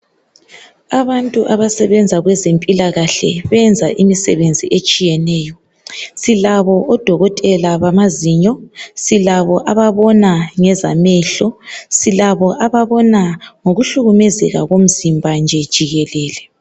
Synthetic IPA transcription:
aβantʼuʔaβasɛβɛnd͡zʱaɣwɛzempʼilaɣaɬɛ̰βɛnd͡zʱaʔimisɛβend͡zʱiʔet͡ʃʼijɛnɛːjɔ | silaβɔʔɔd̥ʱɔɣɔtʼɛlaβamaziɲɔsilaβɔʔaβaβɔnaŋɛzamɛɬɔsilaβɔʔaβaβɔnaŋoɣuɬuɣumɛzɛɣa̰ɣom̩zimbʱand͡ʒʱɛd̥ʒ̥ʱiɣɛlɛːlɛ

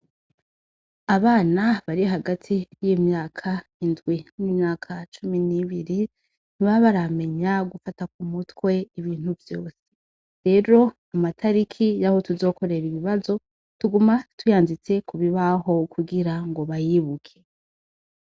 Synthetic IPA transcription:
aβaːnaβaɾiɦaɡatʰijimɲaːkʰaindɡwinnimɲaːkʰat͡ʃuminiβiɾi | n̥iβaβaɾame̞ɲaɡufatak̚umutwe̞iβiːn̥huvjo̞ːse̥ | ɾe̞ːɾo̞ | amatʰaɾikʰijaho̞tuzo̞ːko̞ɾe̞ɾiβiβazo̞ | tuɡumatʰujaːnzit͡se̞kuβiβaɦo̞kuɡiɾaŋɡo̞βajiːβukʰe̞

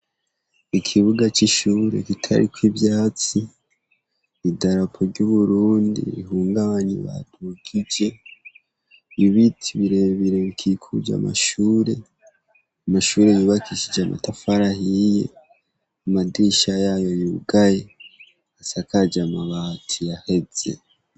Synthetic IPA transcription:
ikʰiβuɡat͡ʃiʃuːɾe̞̰kitʰa̰ɾikwiβjaːt͡si | idaɾapʰoɾɟuβuɾuːndḭḭɦuːŋɡaβaɲḭβa̰d̥uɡid͡ʒe̞ | βiβitʰiβiɾeβiɾe̞βikʰikʰud͡ʒa̰ma̰ʃuːɾe̞ | amaʃuːɾe̞juːβakʰiʃid͡ʒamʔa̰tafaɾahije̞̰ | amadiːʃajaːjo̞juɡaje̞ | asakad͡ʒamaβatʰijahe̞ze̞̰

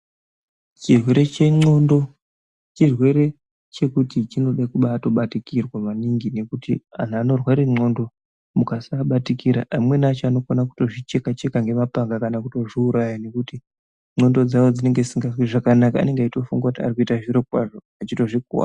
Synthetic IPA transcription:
t͡ʃirwe̞ɾe̞t͡ʃe̞ŋ͡ǀo̞ndo̞ | t͡ʃirwe̞ɾe̞ | t͡ʃe̞kutit͡ʃino̞ɗakuɓato̞ɓatikirwaʋaniŋɡine̞kutia̰n̤ano̞rwaɾiŋ͡ǀo̞ndo̞ | mukasaɓatikiɾa̰amwe̞nat͡ʃoano̞konaku̥to̞ʐit͡ʃe̞kat͡ʃe̞kaŋɡe̞mapaŋɡakanakuto̞ʐiuɾajane̞kuti | ŋ͡ǀo̞ndo̞d͡zaʋo̞d͡zine̞ŋɡed͡zisiŋɡazwiʐakanakaa̰ne̞ŋɡaito̞fuŋɡwakutia̰rikuitaʐiɾokwaʐo | at͡ʃito̞ʐikuwa̰ː

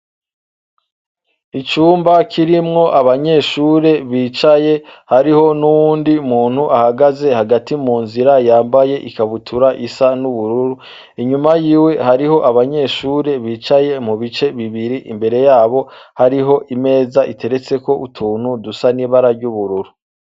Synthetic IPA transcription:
it͡ʃuːmbakʰiɾimŋo̞ʔaβaɲe̞ːʃuːɾe̞βiːt͡ʃaje̞haɾiho̞nuwuːndimuːn̥huʔahaɡaze̞haɡatimuːnziɾajaːmbaje̞ʔikaβutʰuɾaʔisanuβuɾuɾu | iɲumajiːwe̞haɾiɦo̞ʔaβaɲe̞ʃuːɾe̞βiːt͡ʃaje̞muβit͡ʃe̞βiβiɾiʔimbe̞ɾe̞jaːβo̞haɾiɦo̞ʔime̞ːzaʔitʰe̞ɾe̞t͡se̞ko̞ʔutʰuːn̥udusaniβaɾaɾɟuβuɾuɾu

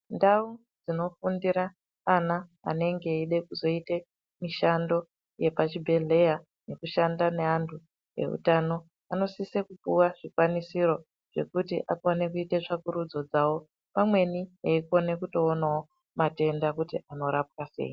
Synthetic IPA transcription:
ndau | d͡zino̞fundiɾaː | na̰ːne̞ŋɡe̞iɗe̞kuzo̞ite | miʃando̞ | je̞pat͡ʃibʱe̞ɮe̞ja | ne̞kuʃandane̞antʰu | e̞̰ṵtano̞ | ano̞sisekupuwaʐikwanisiɾo̞ | ʐ̥e̞̰kutiʔakone̞kuiteʐakuɾud͡zo̞d͡zawo̞ | pamwe̞nieiko̞ne̞kuto̞ːnao | mate̞ndakutiʔano̞ɾap̚wasḛːji

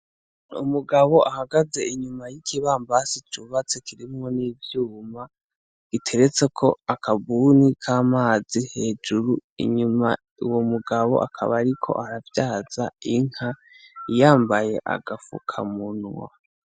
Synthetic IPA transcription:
ṵmuɡaβo̞ʔahaɡaze̞iɲumajikʰiβaːmbasit͡ʃuːβat͡sekʰiɾimŋo̞niːvjuːma | ɡ̥itʰe̞ɾet͡se̞kʰo̞akʰaβuːnikʰaːmaːzihe̞ːd͡ʒuɾuḭɲuma̰ | uwomuɡaβo̞̰ʔa̰kʰa̰βaɾikʰo̞̰ʔaɾavjaːz̥aiŋ̥ha | jaːmbaje̞ʔa̰ɡafṵkʰa̰munwa̰

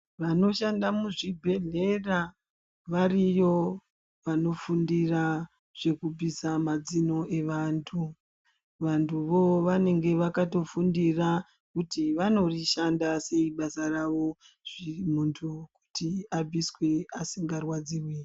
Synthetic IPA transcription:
ʋano̞ʃandamuʐibʱe̞ɮe̞ra | ʋarijo̞ | ʋano̞fundira | ʐ̥e̞kub͡visamad͡zino̞eʋantʰu | ʋantʰuʋo̞ʋane̞ŋɡe̞ʋakato̞fundira | kutiʋano̞riʃandase̞iɓasaraʋo̞ | ʐ̥imuntʰuku̥tiab͡vʱiswe̞asiŋɡarwad͡ziːrwe

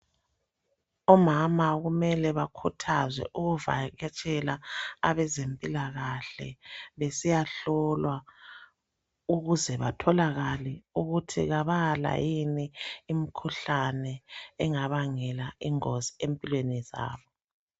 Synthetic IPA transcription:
ɔmamaɣumɛlɛβakʰutʰazwɛ̰ʔuɣuva̰ɣɛt͡ʃʼɛlaaβɛzempʼilaɣaɬɛ̰βesijaɬɔlwa | uɣuzɛβatʰɔlaɣaliuɣutʰiɣaβala̰jiniːm̩kʰuɬanɛɛŋaβaŋɛlaiŋoziempʼilweniza̰ːβɔ

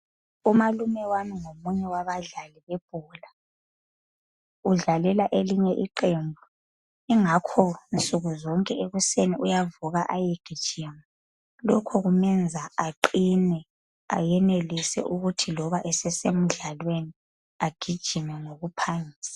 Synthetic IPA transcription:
umalumɛwamiŋomuɲɛwaβaɮaliβeb̥ʱuːla | uɮalɛlaʔeliɲɛʔiǃembʱu | iŋakʰɔnt͡sʼuɣuzɔŋkʼɛeɣuseniujavuɣaʔajeɡ̥ʱid̥ʒ̥ʱima | lɔkʰɔɣumɛnd͡zʱaaǃinɛ | a̰jɛnelisɛ̰ʔuɣutʰilɔβaʔɛsɛsem̩ɮalweni | aɡ̥ʱid̥ʒ̥ʱimɛŋoɣupʰaŋiːsḁ

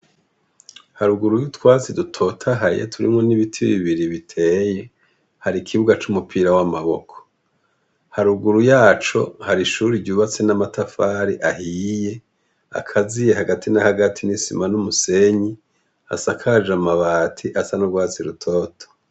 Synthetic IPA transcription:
haɾuɡuɾujutwaːt͡sidutʰo̞tʰaɦaɾḭjetʰuɾḭmŋo̞niβitʰiβiβiɾiβitʰe̞ːje̞ | haɾikʰiβuɡat͡ʃumupʰiːɾawamaβo̞̰kʰo̥ | haɾuɡuɾujaːt͡ʃo̞̰haɾiʃuɾiɟuːβat͡se̞namatʰafaːɾiʔahiːje̞ | a̰kʰazije̞haɡatinahaɡatʰinisḭmanumuse̞ɲi | a̰sakʰad͡ʒamaβaːtʰiʔasanuɾɡwaːt͡siɾutʰo̞ːtʰḁ

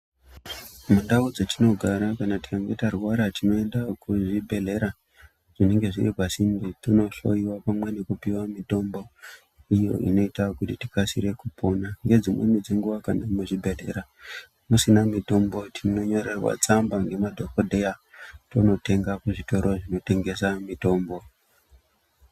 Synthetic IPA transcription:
mundaud͡zetino̞ɡʱaɾakanati̥kaŋɡetaruwaɾatino̞e̞ndakuʐibʱe̞ɮe̞ɾa | ʐ̥ine̞ŋɡe̞ʐiripasinbitono̞ɬo̞iwapamwe̞nekupiwamito̞mbo̞ | ijo̞̰ʔḭno̞itakutiti̥kasiɾe̞kupʰo̞naŋɡe̞d͡zimwḛnid͡zeŋɡuʋakanemuʐibʱe̞ɮe̞̰ɾa | musinamito̞mbo̞tʰino̞ɲo̞ɾe̞rwa̰t͡sambaŋɡe̞madʱo̞kodʱe̞jato̞no̞te̞ŋɡakuʐito̞ɾo̞ʐino̞te̞ŋɡe̞samito̞ːmbo̞

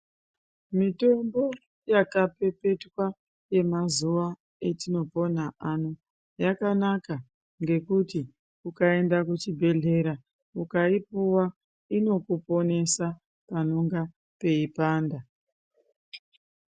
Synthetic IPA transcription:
mito̞mbo̞ | jakape̞pe̞twa | je̞mazuʋa | e̞tino̞po̞n̤aʔano | jakanaka | ŋɡe̞kuti | ukae̞ndakut͡ʃibʱe̞ɮe̞ɾa | ukaipuwa | ino̞kupo̞ne̞sa | panoŋɡa | pe̞ipaːnda

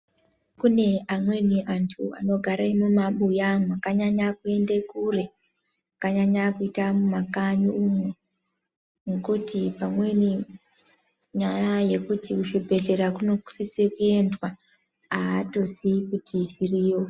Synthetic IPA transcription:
kune̞amwe̞niʔantʰṵa̰no̞ɡʱaɾaimumaɓujamuakaɲaɲakue̞ndekure | akaɲaɲakuitamumakaɲuumo | ŋekutipamwe̞ni | ɲajaje̞kutiuʃibʱe̞ɮe̞ɾakuno̞ku̥sisekue̞ndwa | aːto̞sikutʰiʃiriːjo

